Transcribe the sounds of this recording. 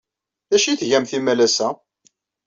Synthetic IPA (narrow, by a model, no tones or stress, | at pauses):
ðæʃiθʝæmθimælæsæ